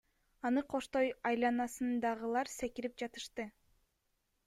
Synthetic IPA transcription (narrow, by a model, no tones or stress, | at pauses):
ɑnɯqʰo̞ʃt̪o̞jɑjlˠɑnɑsɯnd̪ɑʁɯlˠɑɾse̞kiɾip̚d͡ʒɑt̪ɯ̥ʃt̪ɯ